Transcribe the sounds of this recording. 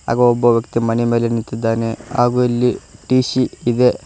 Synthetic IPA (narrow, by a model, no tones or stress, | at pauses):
a̰ːɡɐobːɐʋjɐkt̪imɐnɛmeːlenit̪ːid̪ːaːnea̰ːɡuɐlːiʈiːʃiːd̪e̞